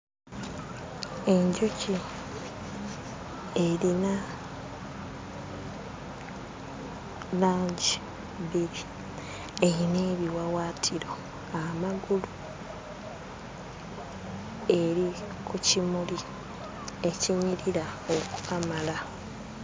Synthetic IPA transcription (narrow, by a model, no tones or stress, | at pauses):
e̞ɲɟuci | e̞ɾina | laːɲɟi | βiɾi | ejine̞ːβiwawaːtʰiɾo̞ | amaɡulu | e̞ɾi | kucimuli | e̞ciɲiɾiɾaoku̥kamala